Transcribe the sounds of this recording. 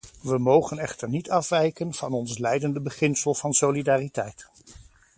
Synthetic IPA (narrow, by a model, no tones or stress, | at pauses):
ʋəmowχənɛχtəɹnitɑfʋɛjkənv̥ɑnɔnslɛjdəndəbəχɪnsəlˠv̥ɑnsolidaːritɛjt